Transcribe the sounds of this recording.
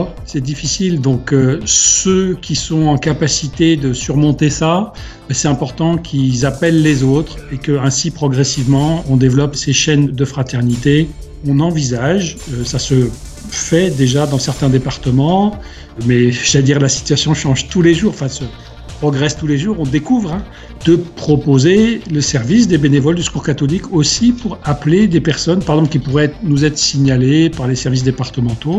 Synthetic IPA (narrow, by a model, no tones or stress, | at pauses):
sɛd̪ifisild̪ɔ̃køsøkʲisɔ̃ɑ̃kapasit̪ed̪əsyʁmɔ̃t̪esa | ɛsɛt̪ɛ̃pɔʁt̪ɑ̃kʲʰilzapɛlːezot̪χekəɛ̃sipχɔɡʁɛsivmɑ̃ɔ̃d̪evlɔpseʃɛnd̪əfχat̪ɛʁnit̪e | ɔ̃nɑ̃vizaʒøsasə | fɛd̪eʒad̪ɑ̃sɛʁt̪ɛ̃d̪epaʁt̪əmɑ̃ | mɛʒad̪iʁlasi̥t̪ɥasjɔ̃ʃɑ̃ʒt̪uleʒuːʁɑ̃fɛ̃sə | pχɔɡʁɛst̪uleʒuʁɔ̃d̪ekuvʁɛ̃ | d̪̥əpχɔpozeləsɛʁvis̬d̪ebenevɔld̪yskuʁkat̪ɔlikʰosipuʁapled̪epɛʁsɔnpaʁeɡzɑ̃plkʲipuʁɛɛt̪χnuzɛt̪χəsiɲalepaʁlesɛʁvis̬d̪epaʁt̪əmɑ̃t̪o